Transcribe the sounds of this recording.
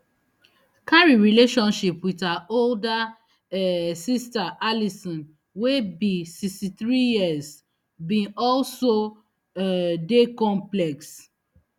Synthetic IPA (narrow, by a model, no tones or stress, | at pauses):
kaɹiɹileʃɔ̃nʃipwiðaolda | ɛsistaʔalisɔ̃n | webisistiθɹijiaz | bĩnɔlso | dekɔ̃mplɛks